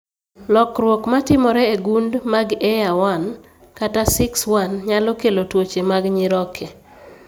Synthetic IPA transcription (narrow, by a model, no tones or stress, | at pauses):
lɔkɾwɔkmatɪmɔɾɛeɡundmaɡɛjawan | katasɪkswanɲalɔkelotwot͡ʃemaɡɲɪɾɔkʰe